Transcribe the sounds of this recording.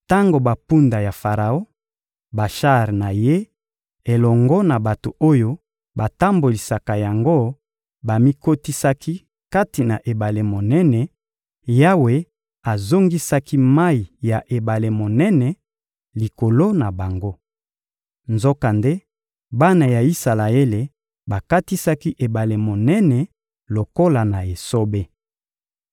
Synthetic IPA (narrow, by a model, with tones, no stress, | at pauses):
ta˦ŋɡo˨ba˨pu˦nda˨ja˨fa˨ʁa˨o˦ | ba˨ʃa˦ʁna˨je˦ | e˨lɔ˨ŋɡɔ˦na˨ba˨to˨o˦jo˦ | ba˨ta˦mbo˨li˨sa˨ka˨ja˨ŋɡo˦ | ba˨mi˦ko˦ti˦sa˦kʰi˦ | ka˦ti˨na˨ʔe˨ba˨le˨mo˨nɛ˦nɛ˨ | ja˦we˨ | a˨zo˦ŋɡi˦sa˦ki˦ma˦i˨ja˨ʔe˨ba˨le˨mo˨nɛ˦nɛ˨ | li˨ko˨lo˦na˨ba˨ŋɡo˦ | nzo˦ka˨nde˦ | ba˦na˨ja˨i˦sa˨la˨e˦le˨ | ba˨ka˦ti˦sa˦ki˦ʔe˨ba˨le˨mo˨nɛ˦nɛ˨ | lo˨ko˦la˨na˨e˨so˦be˦